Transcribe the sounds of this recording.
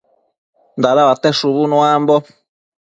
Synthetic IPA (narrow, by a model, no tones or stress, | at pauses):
nd̪aɾaβat̪ɛʃuβunũambɔ